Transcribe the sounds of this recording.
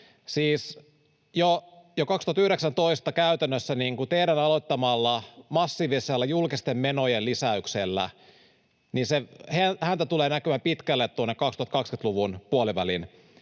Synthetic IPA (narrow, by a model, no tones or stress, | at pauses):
siːs | jojokɑkst̪uhɑt̪yhɾeksænt̪oist̪ɑkæyt̪ænːøsːæniːŋkut̪eiɾænɑlot̪ːɑmɑlːɑmɑsːiːʋiselːæjulkist̪emmenojelisæykselːæ̰ | ninsehehænt̪æt̪uleːnækømæpit̪kælːet̪t̪uonːekɑkst̪uhɑt̪kɑkskynt̪luʋunpuoliʋælḭn